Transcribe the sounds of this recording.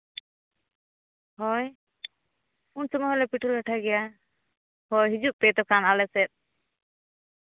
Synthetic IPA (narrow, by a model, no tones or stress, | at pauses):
hɔj | unsɔmɔɦɛlɛpiʈʰɔlɡaʈʰaɡɛja | hɔjɦid͡ʒuʔ̚p̪ɛt̪ɔkanalɛsɛt̪̚